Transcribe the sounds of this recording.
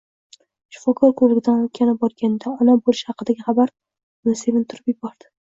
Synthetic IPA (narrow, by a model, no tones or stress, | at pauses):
ʃɪ̥fɒkʰɒɾkʰoɾlɪɡʲɪd̪anot̪kʲʰanɪbɒɾɡʲanɪd̪aɒnabolˠɪʃhɑqʰɨd̪aɡʲɪχɑbaɾ | nɪse̞vɪnt̪ʰʊɾɪpjɪbɒɾd̪̥ɪ̥